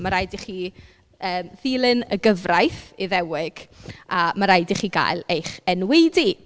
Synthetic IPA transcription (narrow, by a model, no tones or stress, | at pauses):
maɾajdiχiː | əːmðiːlˠɨnəɡəvrajθiðɛwɪɡ̥amaɾajdiχiːɡa̰jlˠejχɛnwejdi